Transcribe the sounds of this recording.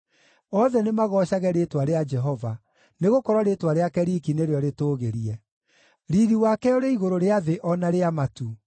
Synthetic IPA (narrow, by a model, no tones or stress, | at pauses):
ɔðɛnemaɣɔɕaɣɛɾetwaɾead͡ʒɛɦɔva | neɣokɔɾwɔɾetwaɾeakɛɾikineɾeɔɾetoːɣeɾiɛ | ɾiɾiwakɛoɾeiɣoɾoɾeaðeʔɔnaɾeamatu